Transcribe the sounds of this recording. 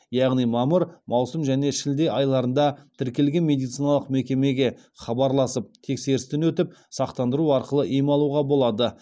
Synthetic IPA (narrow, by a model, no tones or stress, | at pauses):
jɑʁnijmɑməɾmɑwsəmʒæne̞ʃɪld̪e̞jɑjlˠɑɾənd̪ɑt̪ʰɪɾkʲe̞lɡʲenmʲe̞d̪ijt̪sijnɑlˠəqmekʲe̞me̞ɡʲe̞ | χɑbɑɾlˠɑsəp̚t̪ʰe̞kse̞ɾɪst̪ɪnwɵt̪ɪpsɑqt̪ɑnd̪əɾuɑɾqəlˠəʔijmɑlˠuʁɑbo̞lˠɑd̪ə